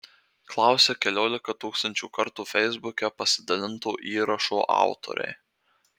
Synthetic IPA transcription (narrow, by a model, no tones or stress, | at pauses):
klˠɑˑʊsʲɛkʲɛlʲoːlʲɪkɐt̪uːkst̪ɐnʲt͡ʃʲuːkɐɾt̪uːfʲɛɪzbʊkʲɛpɐsʲɪd̪ɐlʲɪnt̪uːʔiːɾɐʃoːʔɑ̰ˑʊt̪o̰ɾʲɛ̰ɪ